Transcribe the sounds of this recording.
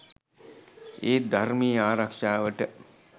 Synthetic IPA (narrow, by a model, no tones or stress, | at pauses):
eːd̪armiːaːɾakʂaːʋəʈə